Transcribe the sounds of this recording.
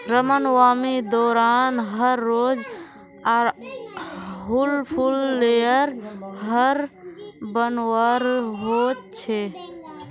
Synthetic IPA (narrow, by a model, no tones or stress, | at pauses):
ɾəmənwaːmid̪ɔːɾanɦəɾːod͡ʒaɾ | ɦulpʰulːejəɾɦəɾ | bənwəɾɦot̪t͡ʃʰe